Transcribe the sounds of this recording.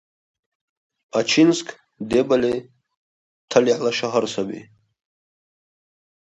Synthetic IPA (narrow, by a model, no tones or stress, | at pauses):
at͡ʃʰinsk | d̪ebale | t̪ʰaliħlaʃaɦaɾsabḭ